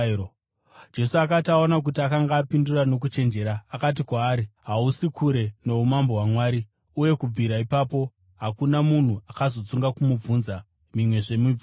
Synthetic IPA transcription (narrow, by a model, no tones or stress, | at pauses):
d͡ʒe̞suakataonak̬utiakaŋɡaːpindurano̞k̬ut͡ʃe̞nd͡ʒe̞ɾaːkat̬ikwaːɾiɦausikʰuɾe̞ne̞umambo̞ɦwamwaːɾi | uje̞kub͡viɾaipapo̞ | ɦakunamun̤uakazo̞t͡suŋɡakumub͡vunza | mimwe̞ʐe̞mui